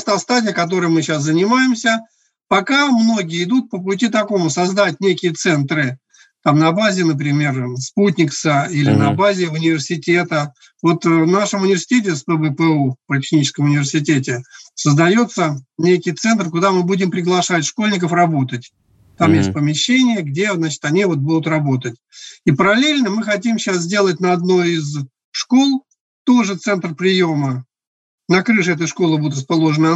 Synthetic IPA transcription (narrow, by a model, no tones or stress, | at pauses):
st̪ast̪adʲɪjəkɐt̪o̞ɾɨjəmɨɕaszənʲɪmajɪmsʲə | pɐkamno̞ɡʲɪjəɪd̪ut̪̚pəp̬ʊtʲit̪ɐko̞mʊsɐzd̪atʲnʲekʲɪjət̪sɛnt̪ɾɨ | t̪amnɐbazʲɪnəp̬ɾʲɪmʲe̞rsput̬ʲnʲɪksəilʲɪnɐbazʲɪʊnʲɪvʲɪrsʲɪtʲe̞t̪ə | vo̞t̪vnaʂəmʊnʲɪvʲɪrsʲɪ̥tʲet̬ʲɪspəvəpəupətʲɪ̥xnʲit͡ɕɪ̥skəmʊnʲɪvʲɪrsʲɪt̬ʲet̬ʲɪsəzd̪ɐjo̞t̪sːənʲejkʲɪjt̪sɛnt̪rkʊd̪amɨbudʲɪmpɾʲɪɡlˠɐʂatʲʂko̞lʲnʲɪk̬əfrɐbo̞t̪ətʲ | t̪amjesʲt̚ʲpəmʲɪɕːenʲɪjəɡdʲeznat͡ɕɪ̥t̪ɐnʲivo̞t̪̚bud̪ʊt̪ɾɐbo̞t̪ətʲipəɾɐlʲelʲnəmɨxɐtʲimɕaszʲdʲe̞lˠətʲnəɐd̪no̞jɪz | ʂkolˠ | t̪oʐɨt̪sɛnt̪rpɾʲɪjo̞mə | nɐkɾɨʂɛt̪əjʂko̞lˠɨbud̪ʊt̪rəspɐlˠo̞ʐənə